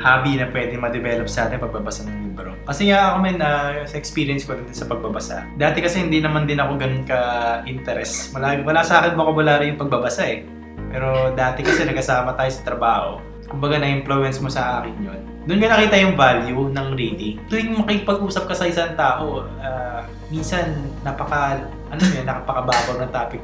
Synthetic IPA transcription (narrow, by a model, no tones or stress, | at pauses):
haːbinɐpwɛd̪ɛŋmɐd̪ɛvɛːlop̚saːt̪ɪŋpɐɡ̚bɐbɐsanɐŋliːbɾokɐsɛŋaʔɐkomɛnɐsɐʔɛkspiːɾɪjɛnskod̪ɪnd̪ɪnsɐpɐɡ̚bɐbɐsa̰d̪aːt̪ɛkɐsɛhɪnd̪inɐmand̪ɪnɐko̞ɡɐnʊnkɐʔɪnt̪ɛɾɛswɐlawɐlasɐʔaːkɪnboɐkowɐlaːɾɪjʊŋpɐɡ̚bɐbɐsaʔɛ | pɛːɾo̞d̪aːt̪ɛkɐsɛnɐɡkɐsaːmɐt̪aːjo̞sɐt̪ɾɐbaːho̰ | kʊmbɐɡanɐʔɪmplowɛnsmosɐʔaːkɪnjon | d̪ʊnkɐnɐkiːt̪ɐjʊŋvaljunɐŋɾiːd̪it̪ojɪŋmɐkɪɪpɐɡʔuːsɐp̚kɐsɐʔɪsaŋt̪aːʔo̞ | aː | minsɐnːɐpɐkɐ | ʔɐnomjnɐkɐpɐkɐbaːboɾnɐŋt̪aːpɪk